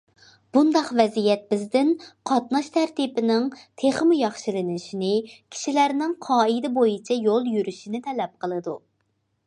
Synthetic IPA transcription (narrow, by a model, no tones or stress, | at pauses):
b̥und̪ɑqvɛzijɛt̪̚bɪzd̪ɪnqʰɑt̪nɑʃt̪ʰæɾt̪ipɪnɪŋt̪ʰeχɨmujɑχʃilɪnɪʃinɪkʲʰi̥ʃilæɾnɪŋqʰɑːid̪ɪbojit͡ʃʰɛjolˠjyɾyʃinɪt̪ʰɛlɛp̚qʰəlˠɨd̪u